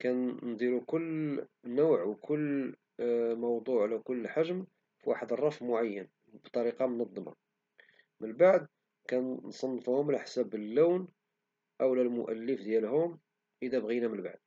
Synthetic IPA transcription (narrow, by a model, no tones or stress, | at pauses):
kænnd̪ˤiɾukʊlːnʊwʕwkʰʊlː | mɑwd̪ˤuʕlækʊlːħaʒm | fwa̰ħəd̪ərˤːɑfmʊʕajːən | bt̪ˤːɑɾiqɑmonɑd̪ˤːmɑ̰ | mənbaʕd̪ | kænnsˤɑnːfhʊmlħsæbəlːæwn | ʔæwlælmʊʔælːəfd̪jælhʊm | ʔəd̪æbɣinæmənba̰ʕd̪̚